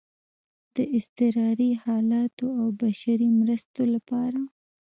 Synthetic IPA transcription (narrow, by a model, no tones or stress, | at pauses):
d̪̥əʔɪst̪ɪɾɑɾihɑlɑt̪oawbaʃaɾimɾəst̪olapɑɾa